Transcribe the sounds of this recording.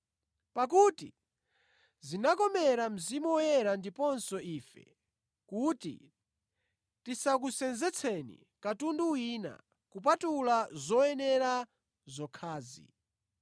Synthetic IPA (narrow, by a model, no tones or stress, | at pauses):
pak̬uːti | zinakɔmɛɾam̩zimuɔjɛɾandipɔnsɔʔiːfɛ̰ | kutḭ | tisak̬usɛnzɛt͡sʰɛnḭ | katunduwiːna̰ | kup̬atulazɔɛnɛɾa | zɔkʰaːzḭ